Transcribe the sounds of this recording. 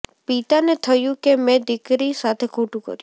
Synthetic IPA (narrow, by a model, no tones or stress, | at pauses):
pit̪anet̪ʰəjũkemɛ̃d̪ɪkɾisat̪ʰekʰoʈũkə̰ɾjũ